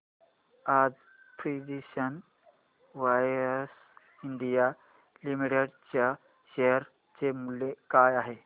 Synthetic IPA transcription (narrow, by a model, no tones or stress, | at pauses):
ad͡z | pɾiɖiɕən | ʋajɾəs | iɳɖija | limiʈeɖt͡ɕja | ɕeɦəɾ | t͡ɕemulːekajaɦe